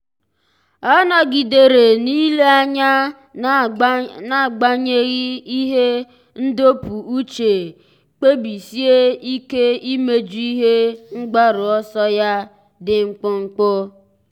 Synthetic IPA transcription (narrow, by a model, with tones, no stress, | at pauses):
ɔ˦nɔ˨ɡi˨de˨ɾe˨ni˦le˦a˦ɲa˦ | na˦˨ɡ͡ba˦ɲe˦ɣi˦i˦ɦe˦ | n̩˦do˦pu˨u˦t͡ʃe˨ | k͡pe˦bi˨si˦e˦i˦ke˦i˦me˦d͡ʒu˦i˦ɦe˦ŋ͡m̩˦ɡ͡ba˦ɾʊ˨ɔ˦sɔ˦ja˦ | dɪ˨ŋ͡m̩˦k͡pʊ˦ŋ͡m̩˦k͡pʊ˦